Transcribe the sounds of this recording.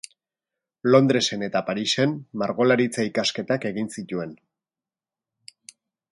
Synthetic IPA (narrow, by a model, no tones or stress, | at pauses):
lo̞nd̪ɾe̞se̞ne̞t̪apaɾise̞mmaɾɣo̞laɾit͡saikaske̞t̪ake̞ɣinsit̪ue̞n